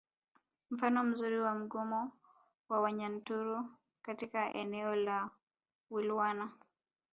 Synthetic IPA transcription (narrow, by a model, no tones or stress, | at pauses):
m̩fanɔm̩zuɾiwam̩ɡɔmɔ | wawaɲan̩tuɾu | katikaʔɛ̰nɛɔla | wilwana